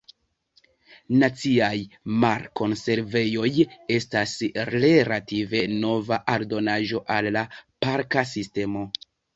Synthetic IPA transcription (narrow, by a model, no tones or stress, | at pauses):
nat͡siajmaɾko̞nse̞ɾve̞jo̞je̞stasɾe̞ɾative̞no̞vaʔaɾdo̞naʒo̞ʔalːapaɾkas̬iste̞mo̞